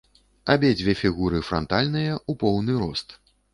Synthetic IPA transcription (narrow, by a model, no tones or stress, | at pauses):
abʲed͡zʲvʲefʲiɣuɾɨfɾɔnt̪alʲnɨjɐupɔwnɨɾɔst̪